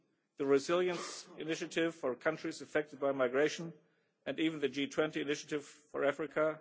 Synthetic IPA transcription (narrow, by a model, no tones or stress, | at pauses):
ðɨɹɨzɪlˠjə̃nsɪnɪʃɨtɪv̥fə˞kʰʌ̃ntɹ̥izɨfɛk̚tɨd̚baɪmaɪɡɹeɪʃn | ɨ̃niːṽn̩ðɨd͡ʒitʰw̥ɛ̃ntiɨnɪʃɨtɪv̥fəɹæfɹɪkʰə